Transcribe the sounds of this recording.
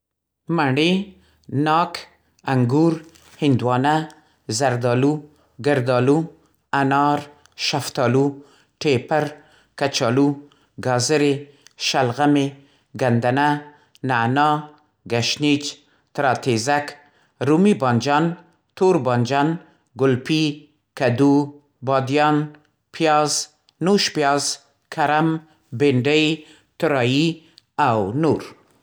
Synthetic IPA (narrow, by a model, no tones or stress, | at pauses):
maɳe | nɑkʰ | aŋɡuɾ | hɪnd̪wɑna | zaɾd̪ɑlu | ɡaɾd̪ɑlu | anɑɾ | ʃaft̪ɑlu | ʈepaɾ | kat͡ʃɑlu | ɡɑzɪɾe | ʃalɣame | ɡand̪ana | nanɑ | ɡaʃnit͡ʃ | t̪ɾɑt̪ezak | ɾumibɑnd͡ʒɑn | t̪oɾbɑnd͡ʒɑn | ɡʊlpi | kad̪u | bɑd̪jɑn | pʰjɑzː | uʃpjɑz | kʰaɾam | beɳɖaj | t̪ʊɾɑji | awnuɾ